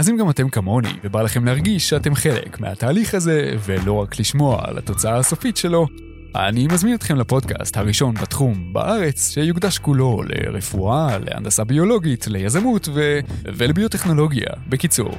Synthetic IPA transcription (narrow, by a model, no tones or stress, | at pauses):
azimɡamate̞mkamo̞nḭvebalaχe̞mlehaʁɡiʃʃeate̞mχe̞le̞̰kmehataːliχaze̞ve̞lo̞ʁakliʃmo̞a̰la̰to̞t͡saaːso̞fitʃe̞lo̞ | a̰nimazminot̪χe̞mlapo̞dka̰sthaʁiʃo̞nbatχumba̰ʔaʁe̞t͡sʃe̞juɡdaʃkulo̞le̞̰ʁefuale̞̰a̰ndasabio̞lo̞ɡitle̞jazamutvevelebiote̞χno̞lo̞ɡja̰be̞kit͡sṵʁ